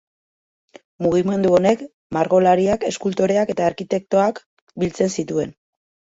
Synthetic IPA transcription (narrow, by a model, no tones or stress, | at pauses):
muɣ̞ime̞nd̪uo̞ne̞k | maɾɣo̞laɾiake̞skult̪o̞ɾe̞ake̞t̪aːɾkit̪e̞k̚t̪o̞ak | bilt͡se̞nsit̪ue̞̰n